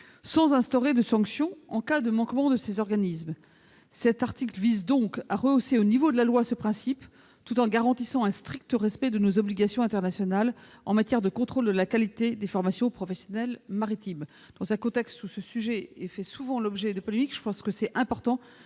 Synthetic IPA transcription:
sɑ̃zɛ̃st̪ɔʁed̪əsɑ̃ksjɔ̃ɑ̃kad̪əmɑ̃kmɑ̃d̪əsezɔʁɡanizm | sɛt̪aʁt̪iklvizd̪ɔ̃kaʁəoseonivod̪əlalwasəpχɛ̃sip | t̪ut̪ɑ̃ɡaʁɑ̃t̪isɑ̃ɛ̃st̪χik̚t̪əʁɛspɛd̪ənozɔbliɡasjɔ̃ɛ̃t̪ɛʁnasjɔnalɑ̃mat̪jɛʁd̪əkɔ̃t̪χold̪əlakalit̪ed̪efɔʁmasjɔ̃pχɔfɛsjɔnɛlmaʁit̪im | d̪̥ɑ̃sɛ̃kɔ̃t̪ɛkst̪usəsyʒɛefɛsuvɑ̃lɔbʒɛd̪əpɔlemikʒə̥pɑ̃skəsɛɛ̃pɔʁt̪ɑ̃

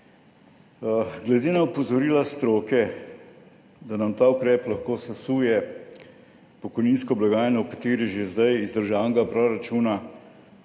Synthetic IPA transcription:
ɡlɛd̪eːnaupɔzɔɾiːlast̪ɾoːkɛ | d̪anamt̪aːukɾɛːplaxkoːsasuːjɛ | pɔkɔjniːnskɔblaɡaːjnɔwkat̪eːɾiʒezd̪ajizd̪əɾʒaːnɡapɾɔɾat͡ʃuːna

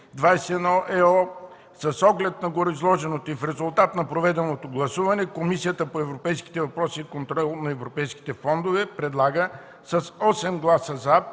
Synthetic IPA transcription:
d̪vajsɛɛnɔʔɛɔ | sɐsɔɡlɛt̪nɐɡoɾoizlˠɔʒɛnot̪oifɾɛzulˠt̪at̪nɐpɾovɛd̪ɛnot̪oɡlˠɐsuvɐnɛkomisijət̪əpoɛvɾopɛjski̥t̪ɛvɐpɾɔsiːkont̪ɾɔlˠnɐɛvɾopɛjski̥t̪ɛfɔnd̪ovɛpɾɛd̪lˠaɡə | səsɔsɛmɡlˠasəza

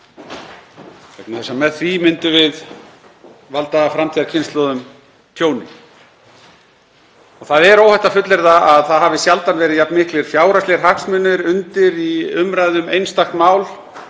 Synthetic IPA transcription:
kʰvɛknaθɛsamɛðθvimɪnt̪ʏvɪð | valt̪aafɾamt̪ʰiaɾcʰɪnst̪lɔðʏm | t̪ʰjoːwnɪ̰ | ɔɣθaðɛɾoːwhɛjht̪afʏt̪lɪɾðaʔaðθaðhaːvɪsjalt̪anvɛːɾɪðjap̚nmɪhklɪɾ̥fjaːwɾast̪ɛɾ̥ɦahksmʏnɪɾʏnt̪ɪɾiʏmɾajðʏmejnst̪axt̪maːwl

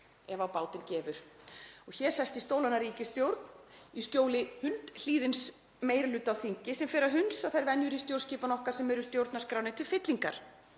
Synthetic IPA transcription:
ɛvawpaːwt̪ɪncɛːvʏɾ̥ɔɣçɛɾ̥sɛst̪ist̪owlanaɾiːcɪst̪jowɾt̪nist̪joːwlɪhʏnt̪l̥iːðɪns | meːjɾɪlʏːt̪ːawθiɲcɪsɛmfɪɾaɦʏnsaθajɾvɛnjʏɾist̪jowɾ̥sciːpanɔhkaɾ̥sɛmɛɾʏst̪jowɾt̪naskɾaːwnɪt̪ʰɪlfɪt̪liŋkaɾ̥

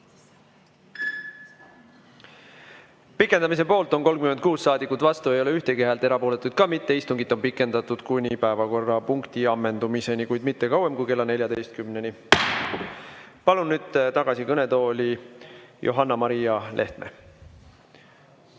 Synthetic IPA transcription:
pikːˑed̪̥ɑmis̬e̞po̞ːlt̪ˑo̞nko̞lɡkymenkuːssɑːd̪ikːˑut̪ːˑvɑst̪ue̞jo̞le̞yht̪e̞keɦɑlt̪ːˑeɾɑpo̞ːle̞t̪ːˑud̪̥kɑmit̪ːe̞ist̪uŋɡ̥it̪ːˑo̞mpikːˑe̞nd̪̥ɑt̪ːˑud̪̥kunʲipæevɑko̞rːɑpuŋkt̪iɑmːe̞nd̪umise̞nikujd̪̥mit̪ːe̞kɑwe̞mkujke̞lːɑne̞ljɑd̪e̞jst̪̚kymne̞ni | pɑlunːyːd̪̥̚t̪ɑɡ̥ɑsikɤne̞t̪o̞ːlʲijʔo̰ɦɑnːɑmɑɾijɑlʔe̞̰ht̪mʔe̞̰

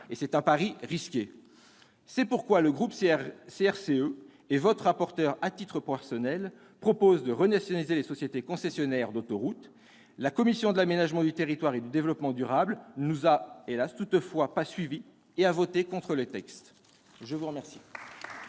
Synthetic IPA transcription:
esɛt̪ɛ̃paʁiʁiskʲe | sɛpuʁkwaləɡʁupseɛʁseø | evɔt̪χʁapɔʁt̪œʁat̪it̪χəpχɔfɛsjɔnɛl | pχɔpozd̪əʁənasjɔnalizelesɔsjet̪ekɔ̃sɛsjɔnɛʁd̪ot̪oʁut̪ | lakɔmisjɔ̃d̪əlamenaʒmɑ̃d̪yt̪eʁit̪waʁed̪yd̪evlɔpmɑ̃d̪yʁablnuzaelast̪ut̪fwapasɥivi | eavot̪ekɔ̃t̪χələt̪ɛkst̪ | ʒəvuʁəmɛʁsi̥

